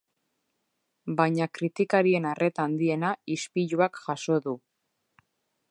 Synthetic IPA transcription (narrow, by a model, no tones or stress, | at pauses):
bajɲakɾit̪ikaɾie̞narʔe̞t̪aːnd̪ie̞naispiʎuakʝaso̞ðu